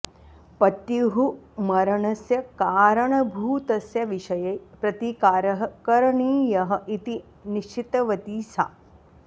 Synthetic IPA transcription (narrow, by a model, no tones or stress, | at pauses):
pɐt̪jiɦumɐɾɐɳɐsjɐkaːɾɐɳɐbʱuːt̪ɐsjɐʋiʃɐjɐjpɾɐt̪ikaːɾɐɦɐkɐɾɐɳiːjɐɦɐ̆ʔit̪i | niʃt͡ʃʰit̪ɐʋɐt̪iːsaː